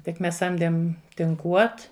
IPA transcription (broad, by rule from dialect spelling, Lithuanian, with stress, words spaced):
tʲɪk ˈmʲɛs ˈsɐmʲdʲeːm tʲɪŋˈkuɔt